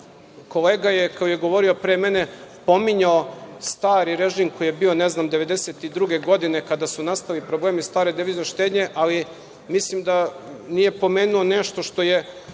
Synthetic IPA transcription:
ko̞leːɡajekaojeɡo̞ʋo̞ɾio̞pɾeːmene̞po̞miɲaost̪aːɾiɾeʒiːmko̞jijebiːo̞neznamd̪e̞ʋe̞d̪eset̪id̪ɾuɡe̞ɡo̞d̪ine̞kad̪asunast̪aʋilipɾoble̞ːmist̪aːɾed̪iʋiːznoʃt̪ed̪ɲe̞ʔali | mislimd̪a | nije̞po̞meːnuoneʃt̪o̞ʃt̪o̞je̞

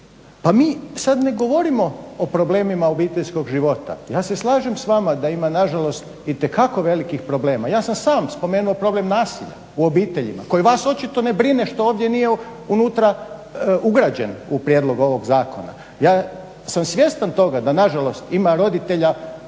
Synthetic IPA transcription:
pamiːsad̪ne̞ɡo̞ʋo̞ɾimo̞opɾoble̞ːmimao̞biːt̪eʎsko̞ɡʒiʋo̞t̪a̰jaːse̞slˠaːʒemsʋamad̪aimanaʒalo̞st̪ | it̪ekako̞ʋe̞likixpɾo̞ble̞ːmajaːsamsaːmspo̞me̞ːnuo̞pɾo̞ble̞mnaːsiʎa̰ | uo̞biːt̪eʎḭma̰ko̞jiʋaːso̞t͡ʃit̪o̞nebɾine̞ʃt̪o̞oːʋd̪je̞nije | unut̪ɾa | uɡɾad͡ʒenupɾjed̪lˠo̞ɡo̞ʋo̞ɡzaːkʰo̞̰na̰ | jaː | samsʋje̞st̪ant̪o̞ɡad̪anaʒalˠo̞st̪imaɾo̞d̪it̪e̞ʎa

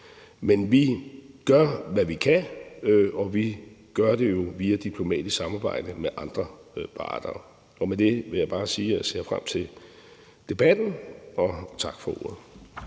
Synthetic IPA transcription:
menʋiɡ̥ɶɐ̰ʋæʋikʰæ | ɒ̽ʋi | ɡ̥ɶɐd̥e̝jo̝ʋiːæd̥ipʰlo̝mɛ̰ːd̥issɑ̈mɑ̈ːb̥ɑ̈ɪ̰d̥əmeʔɑ̈nd̥ʁɐpʰɑ̰̈d̥ɐː | ɒ̽med̥e̝ʋe̝jɑ̈b̥ɑ̈ːsiːæse̝̰ːɐfʁam̰t͡sʰe̝l | d̥e̝b̥æd̥n̩ɒ̽t͡sʰɑ̈ɡ̥fɒ̽o̝̰ɐ̰ð̩ˠ

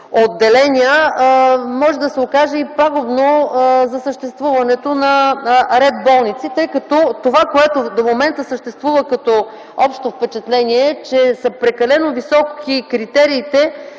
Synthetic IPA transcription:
od̪ːɛlɛnʲiə | mɔʒɛd̪ɐsɛokaʒɛipaɡʊbnozɐsəʃt̪ɛst̪vuvɐnɛt̪onɐɾɛd̪bɔlˠnit̪sit̪ɤjkɐt̪ɔt̪ovakoɛt̪od̪omomɛnt̪əsəʃt̪ɛst̪vuvəkɐt̪ɔ | ɔpʃt̪ofpɛt͡ʃɛt̪lɛniɛt͡ʃɛsəpɾɛkɐlɛnovisɔkikɾit̪ɛɾiːt̪ɛ

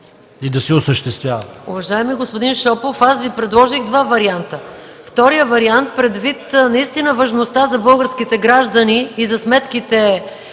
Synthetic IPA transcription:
id̪ɐsɛʊsəʃt̪ɛst̪vʲjavɐʊvɐʒaɛmiɡospod̪inʃɔpofasvipɾɛd̪lˠɔʒiɣd̪vavɐɾiant̪ə | ft̪ɔɾijəvɐɾiant̪̚pɾɛd̪vit̪nɐist̪inəvɐʒnost̪azɐbɤlˠɡəɾskit̪ɛɡɾaʒd̪əniːzɐsmɛt̪kit̪ɛ

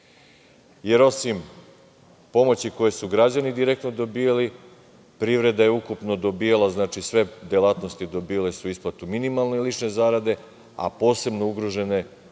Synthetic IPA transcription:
je̞ɾo̞sim | po̞mo̞t͡ɕiko̞je̞suɡɾad͡ʑanid̪iɾek̚t̪no̞d̪o̞bijali | pɾivɾe̞d̪ajeukupno̞d̪o̞bijalˠaznaːt͡ʃisʋe̞d̪jelˠaːt̪no̞st̪id̪o̞bijale̞suisplˠat̪uminimalˠnelit͡ʃne̞zaːɾad̪e̞ | a̰po̞ːse̞bno̞uɡɾoʒe̞ne̞

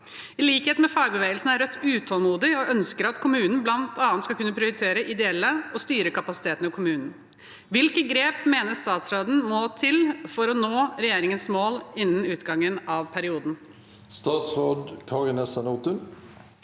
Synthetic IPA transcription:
ɪliːkheːt̪mɛfɑːɾbəʋeːɡəlsn̩æɾœt̪ːʉːt̪ʰɔlmuːd̪ɪɔʔœnskəɾɑt̪kʰʊmʉːnn̩blɑnt̪ʰɑːnskɑkʰʉnːəpʰɾɪʊɾɪt̪ʰeːɾəʔɪd̪ɛɛlːəɔst̪yːɾəkɑpɑsɪt̪ʰeːt̪ənəkʰʊmʉːnn̩ | ʋɪlkəɡɾeːpmeːnəst̪ɑːt̪sɾoːd̪n̩mɔːt̪ʰɪlfɔɾɔnoːɾɛjeːɾɪŋənsmoːlɪnːənʉːt̪ɡɑŋːənɑʋpʰæɾɪuːd̪n̩ | st̪ɑːt̪sʁoːɖ̪kʰɑʁɪnɛsɑnuːt̪ʉn

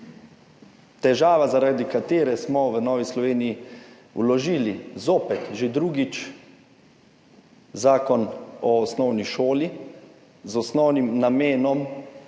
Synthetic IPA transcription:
t̪ɛʒaːʋazaɾad̪ikat̪eːɾɛsmɔʋənɔːʋislɔʋeːniji | ṵlɔʒiːlizoːpɛt̪ʒed̪ɾuɡit͡ʃ | zaːkɔnɔːsnɔwniʃoːli | zɔsnɔwnimnameːnɔm

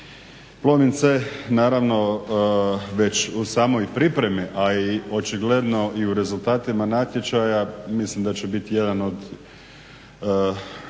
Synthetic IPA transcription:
plˠomint̪senaːɾaʋno̞ | ʋe̞t͡ɕusaːmo̞jpɾipɾe̞miʔaio̞t͡ʃiɡle̞d̪no̞ʔiuɾe̞zult̪aːt̪imanaːt̪jet͡ʃajamislimd̪at͡ɕebit̪ije̞d̪ano̞d̪

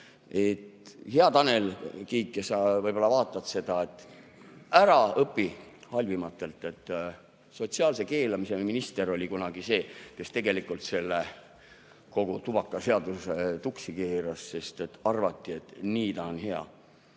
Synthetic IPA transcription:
e̞t̪heɑt̪ɑne̞lkiːkːesɑvɤjb̥o̞lːɑvɑːt̪ːˑɑt̪se̞d̪̥ɑe̞t̪ːˑ | æɾɑɤpːihɑlʲvimɑt̪ːˑe̞lt̪ːˑe̞t̪ːˑ | so̞t̪siɑːlse̞ke̞ːlɑmise̞minist̪e̞ɾo̞lʲikunɑɡ̥ise̞ːke̞st̪e̞ɡe̞likːˑult̪se̞lːe | ko̞ɡ̥ut̪ub̥ɑkːˑɑse̞ɑd̪uset̪uksikeːɾɑsse̞st̪e̞t̪ːɑrvɑt̪ːie̞t̪niːt̪ɑonhe̞ɑ̰

